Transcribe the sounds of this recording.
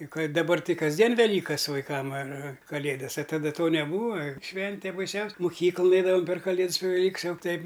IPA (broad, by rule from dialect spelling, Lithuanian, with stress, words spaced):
ɪ ˈkɐɪ dɐˈbɐr ˈtɐɪ kɐzʲˈdʲiɛn ʋʲɛˈlʲiːkɐs ʋɐɪˈkɐm ɐr ɐr kɐˈlʲeːdɐs ɐ tɐˈdɐ ˈtoː nʲɛˈbuːɐ ˈʃʲʋʲɛnʲtʲeː bɐɪˈsʲɛʊsʲ mʊˈkʲiːklˠʊn ˈɛɪdɐʋɐm pʲɛr kɐˈlʲeːts pʲɛr ʋʲɛˈlʲiːks ˈjɛʊ ˈtʲɛɪp